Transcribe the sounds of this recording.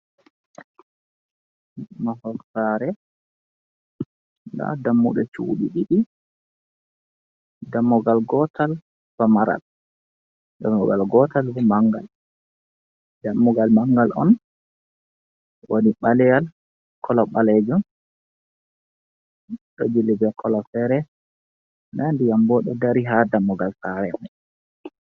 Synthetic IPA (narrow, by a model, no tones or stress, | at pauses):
mahɔlsaɾɛ | la̰damːuɗɛt͡ʃṵːɗiɗiɗi | damːɔɡalɡɔtal | famaɾa̰l | damːɔɡalɡɔtalvɛmaŋɡa̰l | damːɔɡalmaŋɡalɔ̰n | waniɓalɛjal | kʰɔlɔɓaled͡ʒum | ɗɔd͡ʒilːibɛkʰɔlɔfɛɾɛ | nandijambɔɗɔdaɾiɦadamːɔɡalsaɾɛmɛ